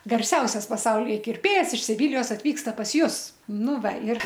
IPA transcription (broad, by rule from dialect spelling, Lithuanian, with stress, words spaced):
ɡɐrʲˈsʲɛʊsʲɛs pɐˈsɐʊlʲiːjɛ kʲɪrʲˈpʲeːjɛs ɪʃ sʲɪˈʋʲɪlʲɪjoːs ɐtʲˈʋʲiːkstɐ pɐs ˈjʊs ˈnʊ ˈʋɐ ɪr